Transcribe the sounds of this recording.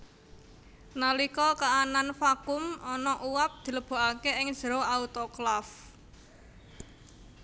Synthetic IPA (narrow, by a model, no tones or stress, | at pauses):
nalikɔkaʔananfakʊmɔnɔʔuwap̚d̪̥i̤ləb̥o̤ʔakeɪŋ̥ʒ̥əɾoaut̪ɔklaf